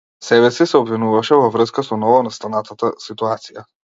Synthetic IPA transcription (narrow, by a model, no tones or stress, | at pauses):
sɛβɛsisɛobvinuvaʃɛvɔvɾəskasɔnɔvɔnast̪anat̪at̪asit̪uat̪sija